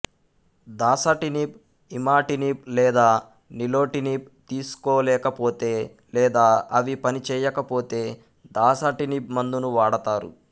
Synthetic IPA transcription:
d̪aːsɐʈinip | imaːʈiniplɛːd̪aː | nilo̞ːʈiniːp̚ | t̪iːsu̥koːlɛːkɐpoːt̪e̞ː | lɛːd̪aːʔɐʋipɐnit͡ʃɛːjɐkɐpo̞ːt̪e̞ː | d̪aːsɐʈinipmɐnd̪unuʋaːɽɐt̪aːɾṵ

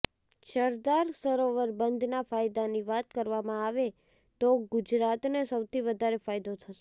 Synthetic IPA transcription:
ʃəɾd̪aɾsəɾoʋəɾbənd̪ʱnafajd̪aniʋat̪̚kəɾʋamãaʋe | t̪oɡʊd͡ʒɾat̪nesəwt̪ʰiʋəd̪ʱaɾefajd̪ot̪ʰəʃe̥

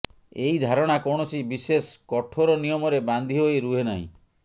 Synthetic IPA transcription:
eid̪ʱaɾɔɽ̃akɔɽ̃ɔsibiseskɔʈʰoɾɔnijɔmɔɾeband̪ʱiɦoeɾuɦenaɦḭ̃

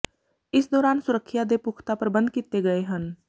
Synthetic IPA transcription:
ɪsd̪ɔːɾaːnsʊɾəkʰːjad̪epukʰt̪apəɾbɐ̃nd̪̚kit̪eɡɐeɦə̃n

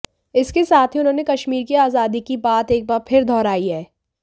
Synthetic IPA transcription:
ɪskesaːt̪ʰɦiʊnɦõːnekɐʃmiːɾkiaːzaːd̪ikibaːt̪eːk̚baːɾpʰɪɾd̪ʱɔːɾaːiɦɛː

